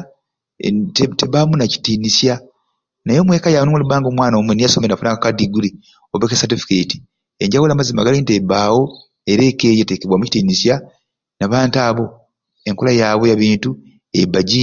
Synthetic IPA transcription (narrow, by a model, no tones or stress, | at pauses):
tteβamunaci̥tiːnisja | najo̞mwe̞ːkajanomulibaːŋɡomwaːnamwenijasomenafunakakadiɡuli | oβekesatifi̥keti̥ | eɲɟawulamazima̰ɡalintebaːwo̞ | eɾe̞ːkejetekeβwamuci̥tiːnisja | naβaːntaːβo̞ | eŋkolajaβo̞jaβiːntu | ebaɟi